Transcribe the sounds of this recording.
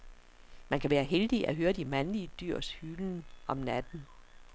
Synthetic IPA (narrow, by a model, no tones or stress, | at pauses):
mænkʰæʋæːɐɦeld̥iʔæɦøːɐd̥imænliəd̥yɐ̰shyln̩ɒ̽mnæd̥n̩